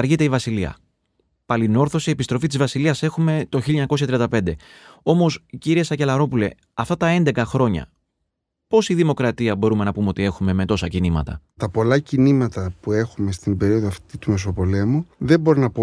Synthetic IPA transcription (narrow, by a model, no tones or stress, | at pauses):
ɾʝit̪e̞ivɐsiliɐ̰ | pɐlino̞ɾθo̞sie̞pist̪ɾo̞fit̪izvɐsiliɐse̞xume̞t̪o̞çilɲɐko̞sçɐt̪ɾiɐnd̪ɐpe̞nd̪e̞o̞mo̞sciɾiesɐce̞lɐɾo̞pule̞̰ | ɐft̪ɐt̪ɐe̞nd̪e̞kɐxɾo̞ɲɐ̰ | po̞siðimo̞kɾɐt̪iɐbo̞ɾume̞nɐpumeo̞t̪ie̞xume̞me̞t̪o̞sɐcinimɐ̰t̪ɐ̰t̪ɐpo̞lɐcinimɐt̪ɐpue̞xume̞st̪imbe̞ɾio̞ðoɐft̪it̪ume̞s̬o̞po̞le̞muðe̞bo̞ɾinɐpu